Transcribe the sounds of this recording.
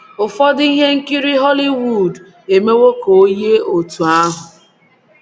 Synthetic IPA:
ʊ˨fɔ˦di˦ɦe˦ŋ̩˦ki˦ɾi˦ɦɔ˦li˦wu˨d | e˨me˦wo˦ko˨o˦je˦o˨tu˨a˦ɦʊ˨

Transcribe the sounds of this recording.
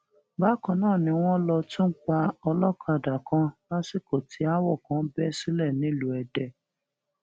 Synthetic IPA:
ba˦kɔ̃˨nãː˦˨nĩ˧w̃ɔ̃˦lɔ˧tũ˦ŋ̩˦k͡pa˧ɔ˧lɔ˦kʰa˦˧˨da˨kã˧˦la˦si˦˨ko˨tʰi˦a˦wɔ˦˨kã˨˦bɛ˦si˦lɛ˦˨nĩ˨˦˨lu˨ɛ˨dɛ˨

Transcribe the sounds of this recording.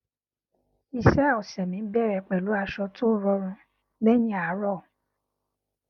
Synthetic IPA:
i˧ʃɛ˦˨ɔ˨sɛ˨mĩ˨˦bɛ˦˨ɾɛ˨k͡pɛ˨lu˨˦a˧ʃɔ˧tʰo˦ɾɔ˧˦ɾ̃ũ˧ | bɛ˦jĩ˦a˨˦ɾɔ˦˨

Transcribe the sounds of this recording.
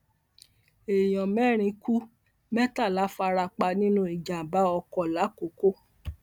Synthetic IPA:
e˨j̃ɔ̃˨mɛ˦ɾ̃ĩ˧ku˦ | mɛ˦ta˦˨la˨˦fa˧ɾa˧k͡pa˧nĩ˦nũ˦i˨d͡ʒã˨ba˦ɔ˧kɔ˧˨la˨˦ko˨˦ko˦

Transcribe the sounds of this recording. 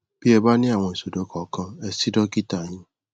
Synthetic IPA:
bi˦e˨ba˦nɪ˦a˨ŋʷe˨so˨do˨kɔ˨kɔ˦e˨si˦dɔ˦ki˦ta˨ɲi˦n

